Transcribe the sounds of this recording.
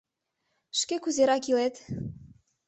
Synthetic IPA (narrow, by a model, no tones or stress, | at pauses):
ʃkekuzeɾɑkilet̪